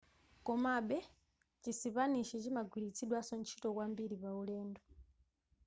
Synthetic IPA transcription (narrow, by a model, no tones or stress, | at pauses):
kɔmaɓɛ | t͡ʃisipaniʃɛt͡ʃimaɡʱwiɾit͡sʰiɗwasɔnt͡ʃʰi̥tɔkwambiɾipaulɛːndɔ